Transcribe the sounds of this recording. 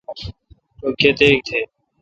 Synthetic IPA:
okʰːeːt̪eːk̚t̪ʰeː

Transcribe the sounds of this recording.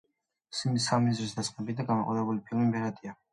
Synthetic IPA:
simisamizɾis̬d̪asχʼmɛbid̪aɡanmaqʼɔ̰d̪ɛbulipʰilˠmimbɛɾad̪ia

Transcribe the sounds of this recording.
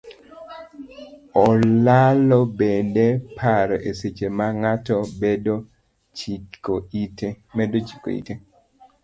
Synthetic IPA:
ɔlalɔbendepʰaɾɔʔeset͡ʃemaŋatɔbedo | t͡ʃoit | mɛdot͡ʃi̥ko̰ḭte

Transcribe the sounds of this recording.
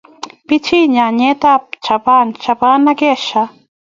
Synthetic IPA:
pit͡ʃʰiɲaɲet̪ap̚t͡ʃʰapant͡ʃapaːnaɡeʃa

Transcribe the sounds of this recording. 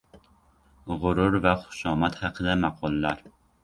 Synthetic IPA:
ʁʊɾʊɾvaχʊ̥ʃɒmat̪hɑqʰɨd̪amɑqʰɒlˠːaɾ

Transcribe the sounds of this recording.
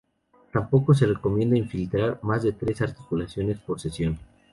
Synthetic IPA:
t̪ampo̞ko̞s̬e̞re̞ko̞mje̞nd̪aiɱfilt̪ɾaɾmazðe̞t̪ɾe̞saɾt̪i̥kulasjo̞ne̞spo̞ɾsesjo̞n

